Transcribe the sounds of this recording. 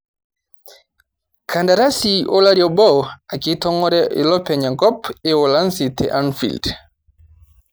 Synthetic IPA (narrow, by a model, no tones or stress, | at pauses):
kʰandaɾasiʔɔlaɾiɔbɔwakitɔŋɔɾɛʔɛ̰lɔpɛɲaŋkɔpɛɔlansitʰɛ̰ʔanfḭld